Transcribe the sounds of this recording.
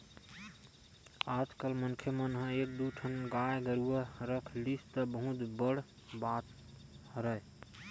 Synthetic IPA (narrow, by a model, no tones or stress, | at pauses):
ad͡ʒkəlmənkʰjəmənɦə̃ek̚d̪uʈʰənɡajɡəɾuəɾəkʰlist̪əbəɦũt̪bəɽ | bat̪ | ɾəe